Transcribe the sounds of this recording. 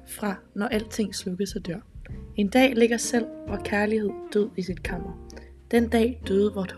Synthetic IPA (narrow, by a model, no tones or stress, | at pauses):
fʁɑ̈nɒʔæl̰d̥̚t͡sʰe̝ŋ̰slɔɡ̥ðˠsæd̥ɶɐ̰e̝nd̥ɛ̰ːle̝ɡ̥ɐsel̰ʋɒkʰæɐlihe̝ð̰ˠd̥øð̞̰ˠisid̥̚kʰɑ̈m̰ɐ | d̥en̰d̥ɛ̰ːd̥øːð̞̩ˠʋɒd̥h